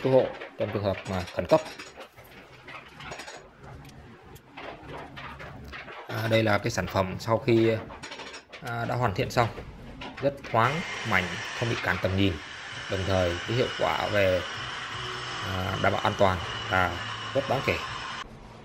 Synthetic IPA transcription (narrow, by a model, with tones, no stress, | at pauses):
k̪u˨˧˦ho̰˧˨t͡ɕɔ˧wŋ͡mt͡ɕɨ˨˩əŋhəː˨˩p̚maː˨˩xə˧˩nkə˦˥p̚ | ʔɗə˧jlaː˨˩kaː˨˦jsaː˧˩nfə˧˩msa˧wxi˧˨˩ | ɗa̰ː˧˥ɦwaː˨˩t̪ḭ˧˨ənsa˧wŋ͡m | zə˦˥t̚t̪ʰwaː˨˦ŋma̰˧˩jŋ̟xə˧wŋ͡mɓḭ˧˨kaː˧˩nt̪ə˨˩mɲi˨˩n | ɗə˨˩wŋ͡mt̪ʰəː˨˩jkəː˨˦hḭ˧˨ə˨wkwa̰ː˧˩ve˨˩˨ | ɗa̰ː˧˩mɓa̰ː˧˩ʔaː˧t̪waː˨˩nvaː˨˩zə˦˥t̚ɗaː˨˦nke˧˩